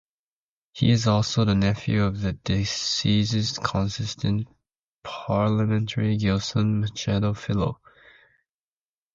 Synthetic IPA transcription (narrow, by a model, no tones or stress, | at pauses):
hḭɪzɔlˠsoʊðənɛfjʉ̰ʌvðɨdɪsizɪz̥kʰə̃nsɪstʰɨ̃n | pʰɑɹləmɛ̃ntʰə˞iɡɪlˠsə̃nmɨt͡ʃʰɛɾoʊfɪlˠoʊ